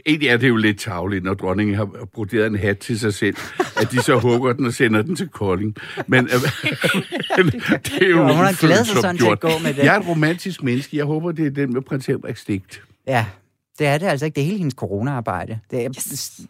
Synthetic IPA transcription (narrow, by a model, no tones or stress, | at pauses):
e̝̰ːnd̥liæɐd̥e̝jo̝le̝d̥̚t͡sʰɑ̈ʊlid̥nɒd̥ʁɒ̽ne̝ŋn̩ɦɑ̈b̥ʁod̥e̝̰ːɐðˠenɦæd̥̚t͡sʰe̝lsɑ̈ɪsel̰æd̥isɒ̽ɦɔ̽ːb̥ɐd̥en̩ɒ̽senɐd̥ent͡sʰe̝lkʰɒle̝ŋmen | mend̥ejohunɑɡ̥lːðˠɒ̽snjo̝ɐ̰d̥ɔ̰me̥jɑ̈ɪɐe̝nʁo̝mæn̰d̥isɡ̥menəsɡ̥əjɑ̈ɪɦɔ̽ːb̥ɐd̥e̝æɐd̥enmepʰʁɛnsʰeb̥ʁɛɡ̥sd̥e̝ɡ̥̚d̥ | jæ | d̥e̝æɐde̝æl̰s̬ɐeɡ̥̚d̥eɐhe̝ːləhenəskʰo̝ʁo̝ːnæɑ̈ːb̥ɑ̈ɪ̰d̥əd̥e